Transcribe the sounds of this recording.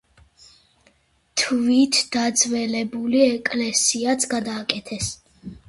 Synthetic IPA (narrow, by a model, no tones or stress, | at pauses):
t̪ʰvit̪ʰd̪̥ad̪zvɛlɛbuliɛkʼlɛsiat̪sʰɡad̪aːkʼɛt̪ʰɛs